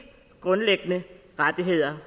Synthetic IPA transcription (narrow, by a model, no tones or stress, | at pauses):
ɡ̥ʁɔ̽nleɡ̥ənə | ʁad̥iɦe̝ð̰ˠɐ